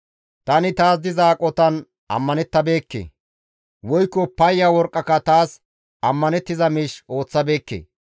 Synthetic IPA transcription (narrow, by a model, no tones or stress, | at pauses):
t̪ɐnɪt̪aːs̬d̪ɪzaːkʼɔt̪ɐn | ʔɐ̰mːɐnɛt̪ːɐbe̞ːkːḛ | wɔjkːɔpɐjːawɔɾkʼːɐkːɐt̪aːs | ɐmːɐnɛt̪ːɪzɐmiːʃo̞ːt͡sːɐbe̞ːkːḛː